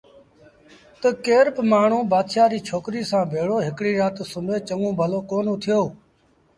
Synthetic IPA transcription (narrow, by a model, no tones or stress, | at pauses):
t̪əkeːɾpmaːɳ̤ũːbaːd̪ʃaːɾiːt͡ʃʰoːkɾiːsãːbʱeːɽoːɦɪkɽiːɾaːt̪sʊmeːt͡ʃəŋɡũːbʱəloːkoːnũːt̪ʰɪjoː